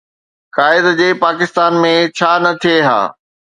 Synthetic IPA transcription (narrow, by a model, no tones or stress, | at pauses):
kaːɪd̪d͡ʑeːpaːkɪst̪aːnmẽt͡ɕʰaːnɐt̪ʰijeɦa̰ː